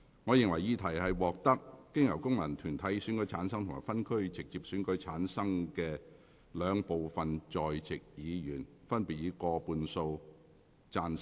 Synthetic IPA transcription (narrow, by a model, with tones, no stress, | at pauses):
ŋɔː˨˧jɪ˨ŋwɐ˨˩jiː˨˧t̪ʰɐ˨˩jhɐ˨jwɔː˨k̚t̪ɐ˥k̚ːɪ˥ŋjɐ˨˩wkʊ˥ŋmɐ˨˩nt̪ʰyː˨˩nt̪ʰɐ˨˥jsy˨˥nkɵ˨˥t͡sʰaː˨˥nsɐ˥ŋt̪ʰʊ˨˩ŋmaː˨˩jfɐ˥nkʰɵ˥ɥt͡sɪ˨k̚t͡siː˨p̚syː˨˥nkɵ˨˥ɥt͡sʰaː˨˥nsɐ˥ŋkɛː˧ | lœː˨˧ŋpo˨wfɐ˨nt͡sɔː˨jt͡sɪ˨k̚jiː˨˧jyː˨˩nfɐ˥npi˨t̚jiː˨˧kɔː˧puː˧nso˧w | t͡saː˧n